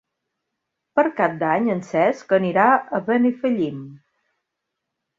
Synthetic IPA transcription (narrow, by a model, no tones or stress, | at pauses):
pəɾkap̚d̪aɲənsɛskəniɾaəβənifəʎim